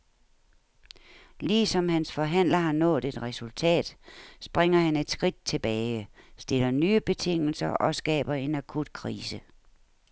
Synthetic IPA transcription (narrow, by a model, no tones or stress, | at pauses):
liːsɒ̽mhænsfɒ̽ɦæn̰lɐɦɑ̈nɔ̰̽ːd̥e̝d̥ʁɛsult͡sʰɛ̰ːd̥sb̥ʁɛŋ̰ɐhæne̝d̥sɡ̥ʁid̥̚t͡sʰe̝b̥ɛːɪsd̥e̝lɐnyːəb̥e̝t͡sʰe̝ŋ̰l̩sɐʔɒ̽sɡ̥ɛ̰ːb̥ɐe̝nækʰud̥kʰʁiːsə